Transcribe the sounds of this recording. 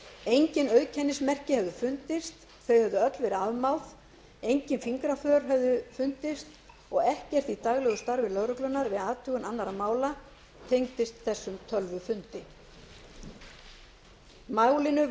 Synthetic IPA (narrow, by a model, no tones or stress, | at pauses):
ejɲcɪnœɥðcʰɛnːɪsmɛr̥cɪhɛvðʏfʏn̥t̪ɪst̪ | θeɥjhɛvðʏœt̪lvɛɾɪaðmawθ | ejɲcɪnfiŋkɾafœːɾ̥ɦɛvðʏfʏn̥t̪ɪst̪ | ɔɣɛhcɛr̥t̪it̪aɣlɛɣʏst̪aɾvɪlœːɾʏklʏnːaɾvɪðaːðt̪ʰʏːɣʏnanːaɾamaːwla | t̪ʰejŋt̪ɪst̪θɛsːʏmt̪ʰœlvʏfʏn̥t̪ɪ | maːwlɪnʏ